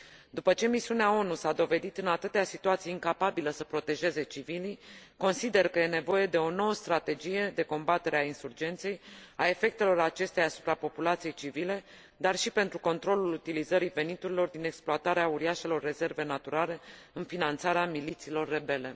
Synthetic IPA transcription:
d̪upət͡ʃe̞misiuneao̞nusad̪o̞ve̞d̪it̪ɨnat̪ɨt̪easit̪uat̪sijeiŋkapabiləsəpɾo̞t̪e̞ʒe̞ze̞t͡ʃiviliko̞nsid̪e̞rkəje̞ne̞vo̞je̞d̪e̞o̞no̞wəst̪ɾat̪e̞d͡ʒije̞d̪e̞ko̞mbat̪e̞ɾeainsurd͡ʒe̞nt̪se̞jae̞fe̞k̚t̪e̞lo̞ɾat͡ʃe̞st̪ejasu̥pɾapo̞pulat̪sije̞jt͡ʃivile̞ | d̪arʃipe̞nt̪ɾuko̞nt̪ɾo̞lulut̪ilizəɾive̞nit̪uɾilo̞rd̪ine̞ksploat̪aɾeauɾiaʃe̞lo̞rːe̞ze̞rve̞nat̪uɾale̞ | ɨnfinant̪saɾeamilit̪siːlo̞rːe̞be̞le̞

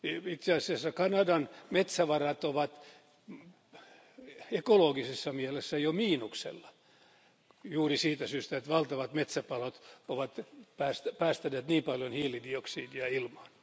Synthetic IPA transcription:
it̪seɑsiɑsːɑkɑnɑdɑnmet̪sæʋɑrɑt̪oʋɑt̪ | ekoloːɡisesːɑmiɛlesːæjomiːnuksḛlːɑ̥ | juːrisiːt̪æsyːst̪æet̪ʋɑlt̪ɑʋɑt̪met̪sæpɑlot̪oʋɑt̪pæːst̪pæːst̪æneːt̪niːmpɑljonhiːlidioksiːdiɑilmɑn

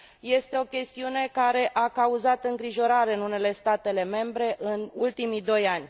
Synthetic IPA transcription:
je̞st̪e̞o̞kʲe̞st̪iune̞kaɾe̞ʔakauzat̪ɨŋɡɾiʒo̞ɾaɾe̞ɨnune̞le̞st̪at̪e̞le̞me̞mbɾe̞ʔɨnult̪imid̪o̞janʲ

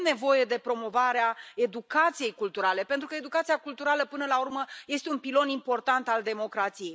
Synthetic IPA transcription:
mne̞vo̞je̞d̪e̞pɾo̞mo̞vaɾeae̞d̪ukat̪sije̞jkult̪uɾale̞pe̞nt̪ɾukəe̞d̪ukat̪siakult̪uɾaləpɨnəlaurməje̞st̪e̞unpilo̞nimpo̞rt̪ant̪ald̪e̞mo̞kɾat̪sije̞j

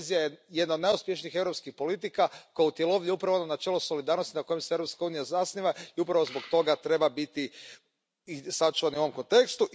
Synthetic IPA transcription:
zijajejed̪naod̪neuspjeʃnixevɾopskixpo̞lit̪̬ikakojeut̪je̞lˠo̞ʋʎeupɾaʋononat͡ʃeːlˠoso̞lid̪aːɾno̞st̪inako̞jemseevɾopskauːnijazasniʋaiupɾaʋozbo̞kt̪o̞ɡat̪ɾe̞babit̪i | isat͡ʃuʋaniuoʋo̞mko̞nt̪e̞kst̪uʔ

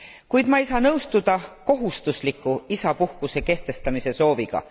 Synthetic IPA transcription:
kujd̪̥mɑejsɑːnɤwst̪ud̪̥ɑko̞ɦust̪uslikːˑuisɑpuhkuse̞ke̞ht̪e̞st̪ɑmise̞so̞ːviɡ̥ɑ̰

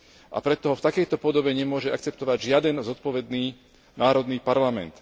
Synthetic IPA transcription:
ʔa̰pɾɛt̪ːɔɦɔft̪akɛjt̪ɔpɔd̪ɔbɛɲɛmʊɔʒɛa̰kt͡sɛp̚t̪ɔʋaɟʒɪad̪ɛnzɔt̪̚pɔʋɛd̪niː | naːɾɔd̪niːpaɾlamɛ̰nt̪

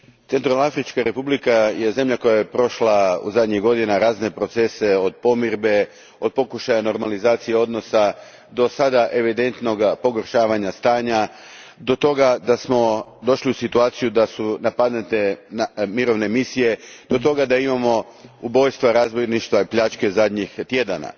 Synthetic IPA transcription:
t̪e̞nt̪ɾalnaafɾit͡ʃkaɾe̞publikaje̞ze̞mʎako̞jajepɾo̞ʃlaṵzad̪ɲiɣɡo̞d̪inaɾaːzne̞pɾo̞t̪se̞se̞o̞d̪̚po̞miɾbe̞ | o̞d̪̚po̞kuʃajano̞ɾmalizaːt̪sijeo̞d̪no̞sa | d̪o̞sad̪aʔe̞ʋid̪e̞nt̪no̞ɡpo̞ɡoɾʃaːʋaɲast̪aːɲad̪o̞t̪o̞ɡad̪asmo̞d̪o̞ʃliusit̪uaːt̪sijud̪asunapad̪net̪enamiɾo̞ʋne̞misije̞d̪̥o̞t̪o̞ɡad̪aimamo̞ubo̞jst̪ʋaɾaːzbojniʃt̪ʋaipʎat͡ʃke̞zad̪ɲixt̪je̞d̪ana̰

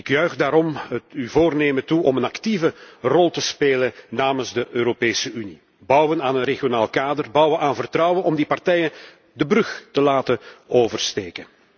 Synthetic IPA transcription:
ɪkjœɥɣdaːɾɔmətyvoːrneːmətuʔɔmənɑktivərɔlˠtəspeːlənnaːmənzdəʔøːɾopeːsəʔyni | bʌwənaːnənreɣjonaːlˠkaːdərbʌwənaːnvərtrʌwənɔmdipartɛjən | dəbrɵxtəlaːtənoːvərsteːkən

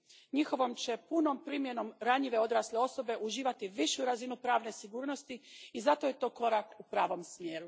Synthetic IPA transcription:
ɲixo̞ʋo̞mt͡ɕe̞puno̞mpɾimje̞no̞mɾaɲiʋe̞o̞d̪ɾaːsleo̞so̞be̞ʔuʒiːʋat̪iʋiʃuɾazinupɾaːʋne̞siɡuːɾno̞st̪iizat̪o̞je̞t̪o̞ːko̞ɾakupɾaːʋo̞msmjeːɾu

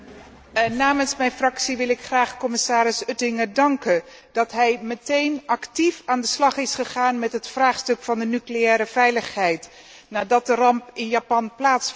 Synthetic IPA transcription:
naːmənsmɛjnfrɑksiʋɪlˠɪkχraːχkɔmɪsaːɾɪsɵtɪŋəɹdɑŋkən | d̥ɑtɦɛjmətejnɑktifaːndəslɑχɪsχəχaːnmɛtɦətfraːχstɵkfɑndənyklejɛːɾəvɛjləχɦɛjt | naːdɑt̚dərɑmpɪnjapɑnplaːts

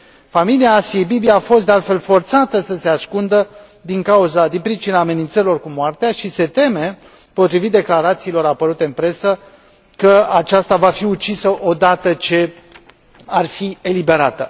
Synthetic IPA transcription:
familiaːsiejbibiaːfo̞s̬t̪d̪ealt̪fe̞lfo̞rt̪sat̪əsəse̞askund̪ə | d̪iŋkauzad̪inpɾit͡ʃinaːme̞nint̪səɾilo̞rkumoart̪eaʃise̞t̪e̞me̞ | po̞t̪ɾivit̪̚d̪e̞klaɾat̪siːlo̞ɾapəɾut̪e̞ɨnpɾe̞sə | kəat͡ʃast̪avafiut͡ʃisəʔo̞d̪at̪ət͡ʃe̞ | arfie̞libe̞ɾat̪ə

